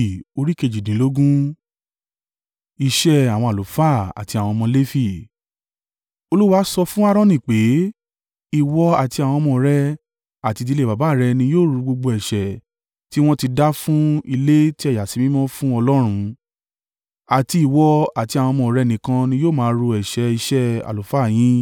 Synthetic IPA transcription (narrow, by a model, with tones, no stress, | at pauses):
o˧ɾi˦ke˧˨d͡ʒi˨dĩ˨˦lo˦ɡũ˦ | i˧ʃɛ˦a˨w̃ɔ̃˧a˨o˨˦fa˦˨a̰˨ti˧a˨w̃ɔ̃˧mɔ̃˧le˦fi˦˨ | o˧lu˦wa˨˧˦sɔ˧fũ˦a˦˧ɾɔ̃˦nĩ˨k͡pe˨˦ | i˨wɔ˦a˨ti˧a˨w̃ɔ̃˧mɔ̃˧˦ɾɛ˦ | a˨ti˧di˧le˦˨ba˨ba˨˦˨ɾɛ˧nĩ˧joː˦˨ɾu˧ɡ͡bo˧ɡ͡bo˧ɛ˨ʃɛ˨ | ti˦w̃ɔ̃˦ti˧da˦fũ˦i˧le˦ti˦ɛ˦˨ja˨si˨˦mĩ˦mɔ̃˦fũ˦ɔ˧lɔ˦ɾ̃ũ˧ | a˨ti˧i˨wɔ˧a˨ti˧˦a˨w̃ɔ̃˧mɔ̃˧˨ɾɛ˦nĩ˨kã˧nĩ˧˦joː˦˨mãː˦ɾo˧ɛ˨ʃɛ˧i˧ʃɛ˦a̰˨lo˨fa˦˨j̃ĩ˦